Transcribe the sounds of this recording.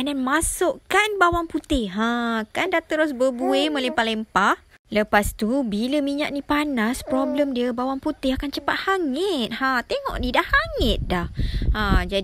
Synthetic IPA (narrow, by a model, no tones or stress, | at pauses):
adanmasʊʔkanbawaŋput̪ɪhɦãkandat̪əɾʊs̬bəbueməlempalempah | ləpast̪ubiləmiɲa̰ʔ̚nipanaspɾobləmdiəbawaŋput̪ɪhakant͡ʃəpat̪̚haŋət̪̚hat̪eŋɔ̰ʔdidaʔhaŋɪt̪̚dahãd͡ʒad